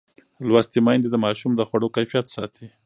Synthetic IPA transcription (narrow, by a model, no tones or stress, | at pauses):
lwast̪imɑjnd̪ed̪əmɑʃumd̪əxwaɽokajfijat̪sɑt̪ʰi